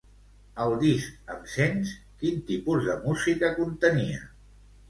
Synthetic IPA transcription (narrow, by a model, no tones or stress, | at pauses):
əlˠd̪isəmsens | kint̪ipuzðəmuzikəkunt̪əniə